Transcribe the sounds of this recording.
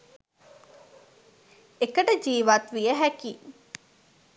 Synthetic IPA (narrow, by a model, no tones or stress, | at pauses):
ekəʈəd͡ʒiːʋat̪ʋijəɦækiː